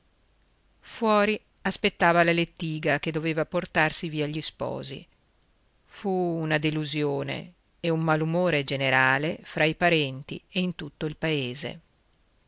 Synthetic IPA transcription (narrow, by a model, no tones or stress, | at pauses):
fwɔːɾi | aspet̪ːaːvalalet̪ːiːɡak̟ed̪oveːvaport̪arsiviːaʎːispɔ̰ːzḭ | fuːnad̪eluzjoːnḛː | umːalumoːɾed͡ʒeneɾaːlefɾaipaɾɛnt̪ḭeint̪ut̪ːoilpaeːzḛ